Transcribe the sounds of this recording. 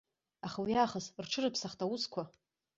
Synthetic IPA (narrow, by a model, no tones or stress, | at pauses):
aχawiaχəsrʈ͡ʂʰɨrɨpʰsaχtʰʼawuskʷʰa